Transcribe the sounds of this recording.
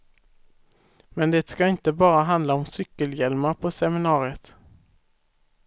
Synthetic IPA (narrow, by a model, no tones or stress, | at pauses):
mɛnd̪ɛːt̪skaɪnt̪əbɑːɾaɦand̪laɔmsʏkːəljɛlmaɾpʰɔsɛmɪnɑːɾɪət̪